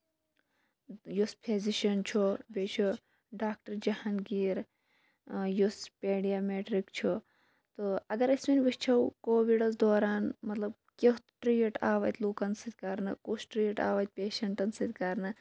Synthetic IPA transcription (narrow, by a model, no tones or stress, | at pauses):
juspʰeziʃɐnt͡ʃʰobʲeːt͡ʃʰu | ɖaːk̚ʈɐɾd͡ʒɐhɐnɡiːɾ | juspeːɽijaːmeːʈɾikt͡ʃʰu | t̪oɐɡɐɾɐsminʲʋist͡ʃʰɐwkoːʋiɽɐzd̪oːɾaːnmɐt̪lɐb̚ | kʲet̪ʈɾijɐʈaːʋɐt̪ʲluːkɐnsit̪̚ʲkɐɾnɨ̰kusʈɾijʈa̰ːʋɐt̪̚ʲpeːʃɐɳʈɐnsɨt̪ʲkɐɾnɨ